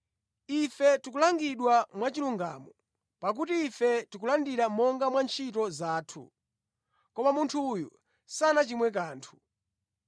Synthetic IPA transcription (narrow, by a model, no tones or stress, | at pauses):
ifɛtik̬ulaŋɡiɗwamwat͡ʃiluŋɡa̰ːmɔ | pak̬utiːfɛtik̬ulandiɾamɔŋɡamwant͡ʃʰit̬ɔzaːtʰṵ | kɔmamuntʰujṵ | sanat͡ʃimwɛk̬aːntʰu̥